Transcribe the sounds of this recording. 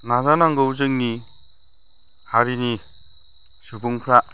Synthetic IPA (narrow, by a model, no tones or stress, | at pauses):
nazanaŋɡɯwzɯŋni | haɾini | sɯbuŋpʰɾaʔ